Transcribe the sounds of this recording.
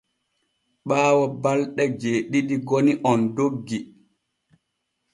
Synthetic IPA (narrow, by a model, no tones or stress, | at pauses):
ɓaːwabalɗɛd͡ʒeːɗiɗiɡoniʔɔndoɡːi